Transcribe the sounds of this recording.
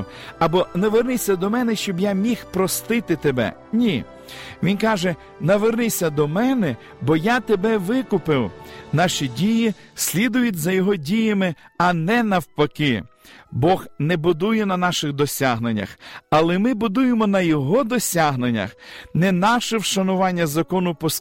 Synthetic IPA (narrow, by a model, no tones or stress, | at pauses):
ɐbɔnɐʋernɪsʲɐd̪ɔmɛnɛʃt͡ʃɔbjamʲixpɾɔst̪ɪt̪ɪt̪ebɛ̰ | nʲi | ʋʲinkɑʒɛ | nɐʋernɪsʲɐd̪ɔmɛnɛ | bɔjat̪ebɛʋɪkʊpɪwnɑʃidʲijisʲlʲid̪ʊjʊtʲzɐjɔɦɔdʲijɐmɪɐnɛnɐwpɐkɪ | bɔxnɛbʊd̪ujɛnɐnɑʃɪxd̪ɔsʲaɦnenʲːɐ̰xɐlˠɛmɪbʊd̪ujemɔnɐjɔɦɔd̪ɔsʲaɦnenʲːɐ̰xnɛnɑʃɛwʃɐnʊʋɑnʲːɐzɐkɔnʊpɔs